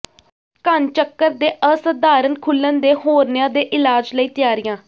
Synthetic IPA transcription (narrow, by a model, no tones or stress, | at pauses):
kənt͡ʃəkːəɾd̪eːʔəsəd̪aːɾənkʰʊlːənd̪eːhoːɾnjãːd̪eːʔɪlaːd͡ʒləiːt̪ɪjaːɾɪjãː